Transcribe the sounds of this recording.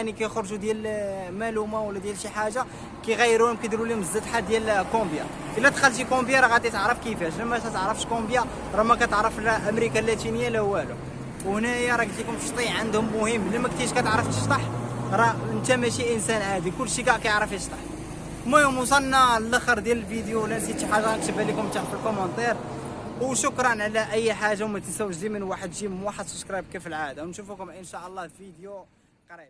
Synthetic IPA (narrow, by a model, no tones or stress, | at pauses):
ænikæjxɾˤʒud̪jælmælumawəlːæd̪jælʃiħaʒa | kæjɣæjːəɾuhʊmkid̪ɾuliməzːət̪ħad̪jælkõbja | ʔəlːæt̪xəlːʃ̬ikõbjɑɾˤɑɣæt̪it̪əʕɾˤəfkəfæʃlæmæt̪æt̪əʕɾˤəfəʃkõbja | ɾˤɑmækæt̪əʕɾˤəflʔəmɾikalːæt̪inəjːalæhwːælu | whnæjæɾˤɑkəlt̪ikʊmʃt̪ˤiʕʕənd̪hʊmːʊhəmːlimæk̚t̪iʃkæt̪əʕɾˤəft̪əʃt̪ˤɑħɾˤɑənt̪æmæʃiʔənsænhæd̪ikʊlːʃikæʔkæjʕɾəfit̪əʃt̪ˤɑħ | mæmus̬ˤɑnːalʔæxəɾˤd̪jæləlfid̪juwlːænsiiħaʒːak̚t̪əbːælikʊmt̪aħfəlkomɑnt̪ˤɛɾwʃʊkɾˤɑnʕalæʔæjːħaʒːawmæt̪əsæwːəʒzimənwaħəd̪ʒimənwaħəd̪sʊbskɾˤɑjb̚kæfəlʕad̪awnʃufukʊmʔənʃæʔəlˤːɑhfid̪ju | qɑɾib̚